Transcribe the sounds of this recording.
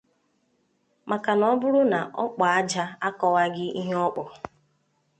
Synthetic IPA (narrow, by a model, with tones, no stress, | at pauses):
ma˨ka˨nɔ˦bʊ˦ɾʊ˦na˨ʔɔ˦k͡pa˨a˦d͡ʒa˦a˦kɔ˦wa˦ɡɪ˦i˦ɦe˦ɔ˦k͡pɔ˨